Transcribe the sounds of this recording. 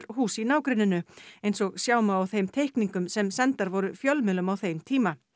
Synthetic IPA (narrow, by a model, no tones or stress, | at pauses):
ɾhuːsinaːwkɾɪnːʏnːʏejnsɔɣsjaːwmaːwθejmt̪ʰejhkniŋkʏmsɛmsɛnt̪aɾvɔɾʏfjœlmɪlʏmawθejmt̪ʰiːma